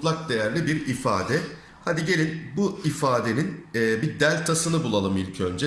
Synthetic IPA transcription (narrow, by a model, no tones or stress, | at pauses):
lˠak̚d̪e̞jæɾlʲibiɾifa̰ːd̪ɛ | had̪iɟe̞lʲinbuifaːd̪e̞ninɛːbid̪ælʲt̪ʰasɯnɯbulˠalˠɯmilʲcʰø̞nd͡ʒɛ